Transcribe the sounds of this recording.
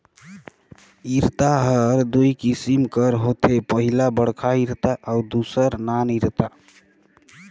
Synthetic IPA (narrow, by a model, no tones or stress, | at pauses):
iɾt̪aɦəɾd̪uikisimkəɾɦot̪ʰepəɦilabəɽkʰaiɾt̪aʔaud̪usəɾnaniɾt̪a